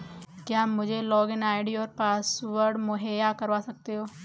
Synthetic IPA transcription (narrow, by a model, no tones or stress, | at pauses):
kjamːʊd͡ʒʱelɔːɡɪnaːɪɖioːɾpaːsʋəɾɖmʊɦeːjakɐɾʋaːsɐk̚t̪eɦoː